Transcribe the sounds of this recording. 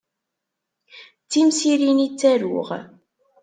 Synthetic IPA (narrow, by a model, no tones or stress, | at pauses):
t͡sːimsiɾinit͡sːæɾʊ̰ʁ